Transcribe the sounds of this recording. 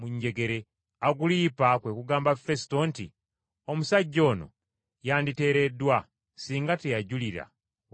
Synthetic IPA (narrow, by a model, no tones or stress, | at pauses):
muɲɟe̞ɡe̞ɾe̞ | aɡuliːpakwe̞kuɡaːmbafe̞si̥to̞ːntḭ | o̞musaɟːo̞ːno̰ | jaːndite̞ːɾe̞dwa | siːŋɡatejaɟuliɾa̰